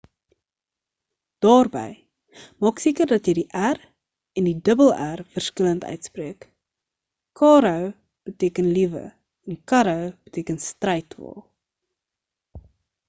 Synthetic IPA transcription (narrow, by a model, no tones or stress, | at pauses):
d̥ɑːrbɛ̰j | mɑːksiːkərdɐtjəjdiʔær | ɛndidəbəlˠærfərskələntœ̰ɥtspriək | kɑːɾəw | b̥ətiːkənlivə̰ | ɛnkɐɾəwb̥ətiːkənstrɛjtvɑ̰ːlˠ